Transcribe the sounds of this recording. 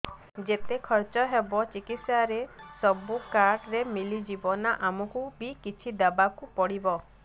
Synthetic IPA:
d͡ʒet̪ekʰɔɾt͡ʃɔɦebɔt͡ʃikit̪saɾesɔbukaɾʈɾemilid͡ʒibɔnaʔamɔkubikit͡ʃʰid̪abakupɔɽibɔ

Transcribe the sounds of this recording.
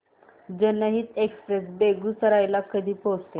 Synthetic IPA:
d͡zənəɦiːt̪ekspɾes̬beɡusəɾajlakəd̪ʱiːpost̪e

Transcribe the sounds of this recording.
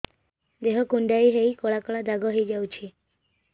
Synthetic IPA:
d̪eɦɔkuɳɖaiɦejkɔɭakɔɭad̪ʱaɡɔɦejd͡ʒawt͡ʃʰi

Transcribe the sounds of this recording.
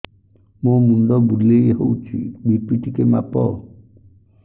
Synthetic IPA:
momuɳɖɔbud̪lejɦowt͡ʃʰḭbipiʈikema̰pɔ̰

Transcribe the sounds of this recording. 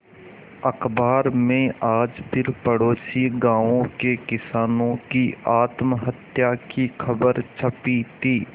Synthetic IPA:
ɐkbaːɾmẽaːd͡ʒpʰɪɾpəɽoːʃiɡãːʋõkekɪsaːnõkiʔaːt̪mɦət̪jakixʰəbəɾt͡ʃʰəpit̪ʰiː

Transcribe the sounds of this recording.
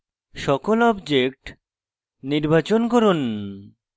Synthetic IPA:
ʃɔkolɔbd͡ʑek̚ʈ | niɾbat͡ɕonkɔɾun

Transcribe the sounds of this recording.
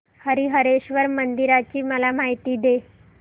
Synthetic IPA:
həɾiɦəɾeɕʋəɾmənd̪iɾat͡ɕiːməlamaɦit̪iːd̪e

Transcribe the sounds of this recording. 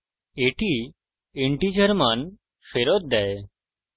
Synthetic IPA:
eʈi | eɳʈid͡ʒʱəɾman | feɾɔt̪̚d̪ɛe

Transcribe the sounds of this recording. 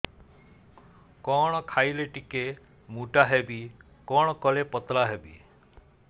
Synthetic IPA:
kɔɽ̃ɔkʰajleʈike | muʈaɦɛbi | kɔɽ̃ɔkɔlepɔt̪laɦebḭ

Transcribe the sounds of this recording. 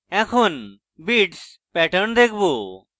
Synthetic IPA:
ɛ̃kʰon | biːʈs | pɛːʈʰəɳd̪ekʰbu

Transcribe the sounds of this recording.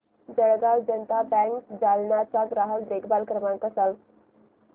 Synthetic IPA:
d͡zəɽɡawd͡ʑənt̪abæ̃ŋkd͡zalɳat͡saɡɾaɦəkd̪ekʰbalkɾəmakəsal

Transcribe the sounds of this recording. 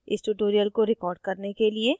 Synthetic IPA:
ɪsʈuːʈoːɾijəlkoɾɪkɔːɾɖkɐɾnekelie

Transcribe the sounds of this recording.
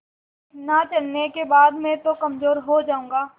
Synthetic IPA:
nat͡ʃɐlnekebaːd̪mɛ̃t̪okɐmzoːɾɦod͡ʒaːũːŋɡaː

